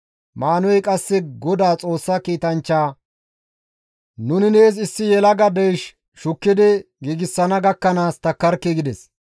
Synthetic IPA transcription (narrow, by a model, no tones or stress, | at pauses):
maːnɔjkʼɐsːɛɡɔd̪aːt͡sʼo̞ːsːɐkiːt̪ɐnt͡ʃːaː | nʊnɪneːs̬ɪsːɪjɛlɐɡɐd̪ɛjʃ | ʃʊkːɪd̪ɪ | ɡiːɡɪsːɐnɐɡɐkːɐnaːst̪ɐkːɐɾkːɛɡɪd̪ɛs